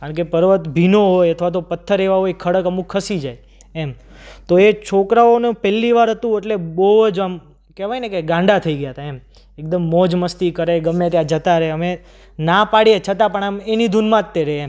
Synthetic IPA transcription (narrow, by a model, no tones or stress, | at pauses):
kaɳkepəɾʋət̪bʱinoɦojət̪ʰʋat̪̬opət̪ʰːəɾeʋaɦojkʰəɽəkəmũkʰːəsid͡ʒaj | em | t̪oet͡ʃʰokɾaonũpɛlːiʋaɾɦət̪ũeʈlebəd͡ʒam | kɛʋajnekeɡãɳɖat̪ʰəiɡəjat̪ʰaem | ek̚d̪əmːɔd͡ʒməst̪ikəɾeɡəmːet̪jãd͡ʒət̪aɾəɦeəme | napaɽijet͡ʃʰət̪ãpəɳ̃amenid̪ʱunmãt̪ːeɾee